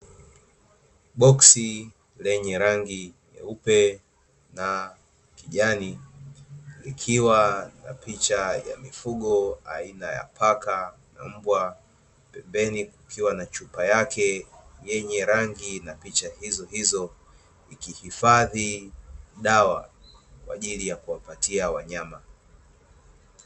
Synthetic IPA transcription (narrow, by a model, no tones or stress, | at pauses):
ɓɔksi | lɛɲɛɾaŋɡinɛ̰upɛ | na | kiʄani | likʰiwana̰pit͡ʃaja̰mifuɠɔa̰inaja̰pʰakana̰m̩bwa | pɛmbɛnikukʰiwanat͡ʃupajakɛjɛɲɛɾaŋɡinapit͡ʃahizɔɦizɔ | ikihifaði | ɗawakwa̰ʄilijakuwapatiawaɲama